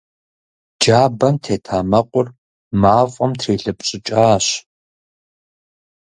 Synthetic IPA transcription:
d͡ʒaːbɐmtʰeːtʰaːmɐqʷʼʊr | maːfʼɐmtʰreːɬɨpʼɕʼɪt͡ʃʼaːɕ

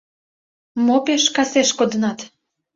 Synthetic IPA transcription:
mopeʃkɑseʃkod̪ənɑt̪

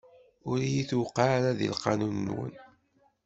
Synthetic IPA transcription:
ʊɾjiθwqːaɾaðḭlqɑnunːwə̰n

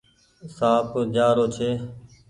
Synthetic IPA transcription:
saːpod͡ʒaːɾoːt͡ʃʰeː

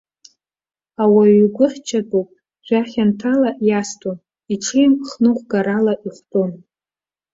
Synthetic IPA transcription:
awaɥɡʷʊħt͡ʃʰadʼopʼ | d͡ʒʷaχʲantʰalaʔjastʰʼon | iʈ͡ʂʰɨjmχnɨχʷɡaɾalaʔiχʷtʼon

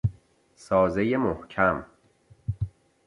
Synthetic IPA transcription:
sɒːzejemohcʰæm

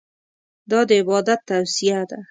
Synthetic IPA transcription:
d̪ɒd̪ɪɪbɒd̪at̪ːawsijad̪a

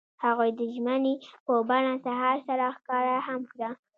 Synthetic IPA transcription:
haɣujd̪əʒmənepəbaɳasaɦɑɾsaɾaxkɑɾahamkɽa

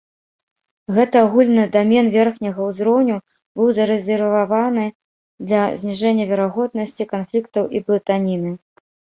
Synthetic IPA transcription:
ɣɛt̪ɨaɣulʲnɨd̪amʲɛnvʲɛrxnʲɐɣɐwzɾɔwnʲu | bɨwzɐɾɛzʲɛrvavanɨ | d̪lʲɐzʲnʲiʐɛnʲːɐvʲɛɾaɣɔd̪̚nɐsʲt͡sʲikanflʲikt̪ɐwʔiblˠɨt̪anʲinɨ

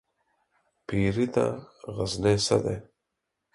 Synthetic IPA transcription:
pʰiːɾit̪a̰ɣəznesad̪e

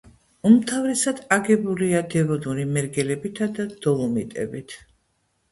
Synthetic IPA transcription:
umt̪ʰavɾɛsad̪̥aɡɛbuliad̪ɛvɔd̪uɾimɛɾɡɛlɛbit̪ʰad̪ad̪̥ɔlˠumit̪ʼɛ̰bit̪ʰ

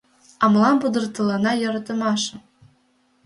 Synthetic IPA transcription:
ɑmlˠɑmpɤd̪ɤ̆rt̪ɤ̆lˠɑnɑjɤ̆ɾɑt̪ɤ̆mɑʃɤ̆

